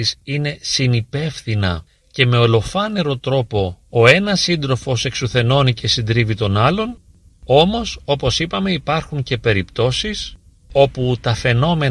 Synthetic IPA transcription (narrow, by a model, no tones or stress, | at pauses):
isine̞sinipe̞fθinɐ̰ | ce̞me̞o̞lo̞fɐne̞ɾo̞t̪ɾo̞po̞oe̞nɐsind̪ɾo̞fo̞se̞ksuθe̞no̞nice̞sind̪ɾivit̪o̞nɐlo̞n | o̞mo̞so̞po̞sipɐme̞ipɐɾxuɲce̞pe̞ɾipt̪o̞sis | o̞put̪ɐfe̞no̞me̞